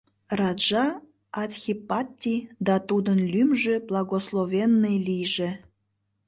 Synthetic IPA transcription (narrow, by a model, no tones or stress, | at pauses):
rɑd̪ʒɑ | ɑt̪ʲxʲipɑt̪ʲːijd̪ɑt̪ud̪ənlʲymʒeblˠɑɣoslˠovʲenːejlijʒe